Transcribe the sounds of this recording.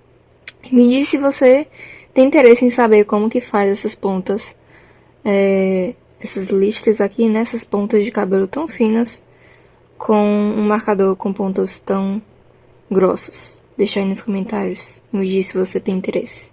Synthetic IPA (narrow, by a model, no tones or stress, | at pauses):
mɪd͡ʒissɪvoset̪ẽj̃ĩnt̪eɾesɪẽj̃sabeɾkõmʊkɪfazɛsɐspõt̪ɐs | ɛ | ɛsɐzliʃt̪ɪzakʰinɛɛsɐspõnt̪ɐzd͡ʒɪkabelʊt̪ɐ̃w̃fĩnɐs | kʰõũmaɾkad̪oɾkõpõnt̪ɐst̪ɐ̃w̃ | ɡɾɔsɐ̥s | d̪ejʃãnʊskõmẽnt̪aɾjʊsmɪd͡ʒissɪvoset̪ẽj̃ĩt̪eɾesɪ̥